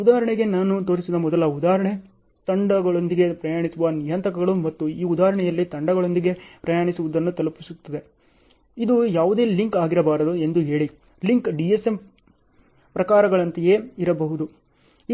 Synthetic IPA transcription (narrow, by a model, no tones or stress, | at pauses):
ud̪aːɐɾɐɳɛɡe̞naːnut̪o̞ːɾisid̪ɐmɔd̪ɐlɐud̪aːɦɾɐɳe | t̪ɐɳɖɐɡɐɭond̪iɡe̞pɾɐjaːɳisuʋɐnijɐnt̪ɐkɐɡɐɭumɐt̪ːuiːud̪aːɾɐɳɛjɐlːit̪ɐɳɖɐɡɐɭo̞nd̪iɡe̞pɾɐjaːɳisuʋud̪ɐnːut̪ɐlɐpisut̪ːɐd̪e̞ | id̪ujaːʋud̪e̞ːliŋkaːɡiɾɐbaːɾɐd̪ue̞nd̪uɦe̞ːɭi | liŋkɖiesem | pɾɐkaːɾɐɡɐɭɐnt̪ɐjeːiɾɐbɐɦud̪u | i